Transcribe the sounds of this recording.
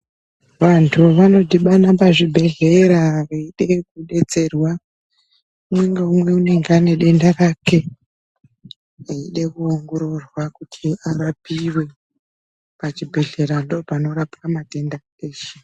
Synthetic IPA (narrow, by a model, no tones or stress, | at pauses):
ʋantʰuʋano̞tiɓanapaʐibʱe̞ɮe̞ɾaʋeiɗe̞kuɗe̞t͡se̞rwa | umwe̞ŋɡeumwe̞une̞ŋɡane̞ɗe̞ndarake̞ | eiɗe̞kuoŋɡo̞ɾorwakutʰiaɾapiwe̞ | pat͡ʃibʱe̞ɮe̞ɾandopano̞ɾapramate̞nda | eːʃe